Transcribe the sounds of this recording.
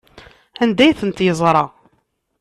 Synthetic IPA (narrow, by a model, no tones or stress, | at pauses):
ænd̪æjθənt̪jəzˤɾˤɑ